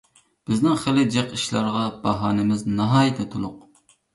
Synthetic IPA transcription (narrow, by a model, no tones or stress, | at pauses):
b̥ɪznɪŋχelˠɪd͡ʒeqiʃlˠɑɾʁɑb̥ɑɦɑːnɪmɪznɑɦɑːjt̪ʰɛt̪ʰulˠʊq